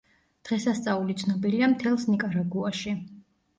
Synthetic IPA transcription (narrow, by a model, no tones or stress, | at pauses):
d̪̥ʁɛsast̪sʼaulit̪sʰnɔbiliamt̪ʰɛlˠsnikʼaɾaɡuaʃi